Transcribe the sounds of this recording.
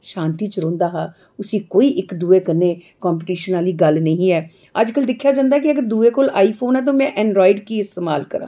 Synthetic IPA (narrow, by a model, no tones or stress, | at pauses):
ʃãːnt̪iːt͡ʃɾõːnd̪aːɦaː | ʊsĩːkoːiːʔɪkd̪uːeːkəɾneː | kɔːmp̬ːʈiːʃənaːliːɡəlnəɦĩːɛː | əd͡ʒkəld̪ɪkʰːjaːd͡ʒãːnd̪aːɛkɪəɡəɾd̪uːeːkoːlaːiːpʰoːnɛːt̪̬õːmɛ̃ːʔɛ̃ːɳɖɾɔːɪɖkiːɪst̪eːmaːlkəɾã̰ː